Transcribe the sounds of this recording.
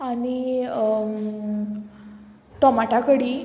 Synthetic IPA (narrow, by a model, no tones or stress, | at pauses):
ani | ʈɔmaʈakəɽiː